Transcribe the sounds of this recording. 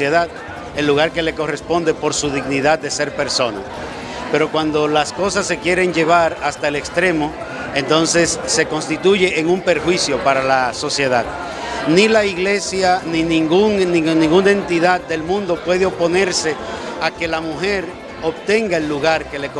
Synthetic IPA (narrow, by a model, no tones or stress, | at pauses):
eðað | e̞lːuɣaɾke̞le̞ko̞re̞spo̞nd̪e̞po̞ɾsuðiɣniðad̪̚d̪e̞se̞ɾpe̞ɾso̞na̰ | pe̞ɾo̞kwand̪o̞lasko̞sasːe̞kje̞ɾe̞ŋd͡ʒe̞βaɾast̪aelekst̪ɾe̞mo̞ | e̞nt̪o̞nse̞sːe̞ko̞nst̪it̪uʝe̞ʔeŋumpe̞ɾxwisjo̞paɾalaso̞sje̞ðað | nilaiɣle̞sjaninĩŋɡuŋninĩŋɡunae̞nt̪iðad̪̚d̪e̞lmũnd̪o̞pwe̞ðeo̞po̞ne̞ɾse̞ake̞lamuxe̞ɾ | o̞βt̪e̞ŋɡae̞lːuɣaɾke̞lek